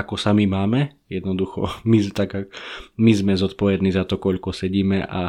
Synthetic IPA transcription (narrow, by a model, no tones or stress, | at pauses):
akɔsamimaːmɛ | jɛd̪nɔd̪uxɔ̰mit̪aɡamizmɛzɔt̪̚pɔʋɛd̪niːzat̪ɔkɔʎkɔsɛɟiːmɛʔa̰